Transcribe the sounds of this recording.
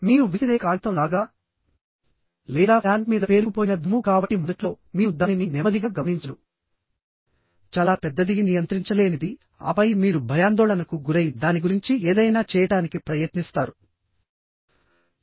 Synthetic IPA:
miːɾuʋit̪id̪eːkaːɭt̪ɐmlaːɡaː | lɛːd̪aːaːɳɖmiːd̪ɐpe̞ːɾkupoːjinɐd̪umukaːbɐʈːimunɐʈlo̞ː | miːud̪aːnininɛmɐd̪iɡaːɡɐmɐniɲt͡ʃɐlu | t͡ʃaːlaːpɛd̪ːɐd̪iɡinijɐnt̪ɾiɲt͡ʃɐle̞ːnid̪i | ɐ̰pɐjmiːɾubʱɐjaːnd̪ɔːɭɐnɐkuɡuɾɐjid̪aːniɡuɾiɲt͡ʃieːd̪ɐjnaːt͡ʃɛːjɐʈaːnikipɾɐjɐt̪nist̪aːɾu

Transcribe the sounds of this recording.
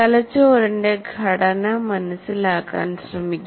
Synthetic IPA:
ɐlɐt͡ʃoːɾɐɳɖeɡʱɐɽɐnɐmɐnɐsulaːka̰ːnsɾɐmiɡ

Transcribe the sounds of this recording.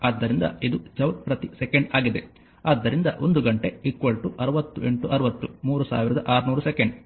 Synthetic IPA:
aːd̪ːɐɾind̪ɐ̰id̪ud͡ʒɐwʈ̚pɾɐt̪isekɐɳɖaːɡid̪e̞ | aːd̪ːɐɾind̪ɐ̰ʔo̞nd̪uɡɐɳʈe̞ikʋɐɭʈuʔɐɾɐʋɐt̪ːuʔe̞ɳʈuʔɐɾuʋɐt̪ːumuːɾusa̰ːʋiɾɐd̪ɐʔaːɾunuːɾusekeɳɖ

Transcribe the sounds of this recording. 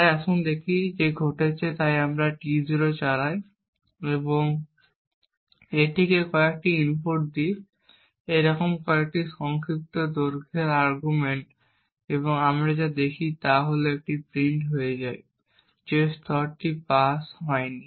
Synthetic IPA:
ajaʃund̪ekʰid͡ʑeɡʱoʈet͡ɕʰet̪ajamɾaʈid͡ʑɾot͡ɕaɾaj | eboŋ | eʈʰikekɔek̚ʈiinpoʈ̚d̪i | eɾɔkomkɔek̚ʈiʃɔŋkɾik̚t̪od̪oɾkʰeɾaɾɡumeɳʈ | eβoŋamɾad͡ʑad̪ekʰit̪aɦoloɛk̚ʈipɾiɳʈɦojed͡ʑaj | d͡ʑest̪ʰɔɾʈipasɦɔeni

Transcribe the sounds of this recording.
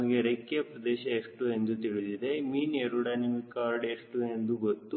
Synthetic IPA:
ɡeɾekːijɐpɾɐd̪ɛːʃɐeʂʈue̞nd̪ut̪iɭid̪id̪e̞miːneɾuɽaːnimikaːɾɖeʂʈue̞nd̪uɡot̪ːu

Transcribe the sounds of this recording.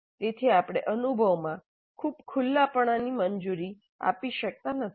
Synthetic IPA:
t̪et̪ʰiapɽ̃eʔənubʱəʋmã | kʰubkʰulːapəɳ̃animəɲd͡ʒuɾi | a̰piʃək̚t̪anət̪

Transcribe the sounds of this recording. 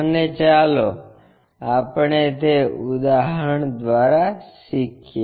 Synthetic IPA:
ənet͡ʃalo | apɳet̪eud̪aɦəɳd̪ʋaɾasikʰje

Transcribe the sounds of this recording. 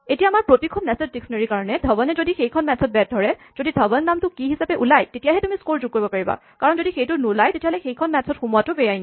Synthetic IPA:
etijaːmaɹpɹotikʰɔnnɛsɔdiksɔneɹikaɹɔnɛdʱɔbɔnɛzodixejkʰɔnmɛtsʰɔt̚bɛat̚dʱɔɹɛz̥odidʱɔbɔnːamtʊkiɦisapɛʔulajtetijaɦɛtumiskoɹzuɡ̚koɹibɔpaɹiba̰kaɹɔnzodixejtʊnulajtetiaɦɔlɛxejkʰɔnmɛtsʰɔtxumuwatʊbɛjajn

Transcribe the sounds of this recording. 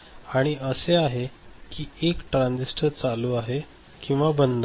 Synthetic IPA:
aɽ̃iəseaɦekiːekʈɾãnd͡zisʈʰəɾt͡saluːaɦe | kĩw̃ʋabənd̪a

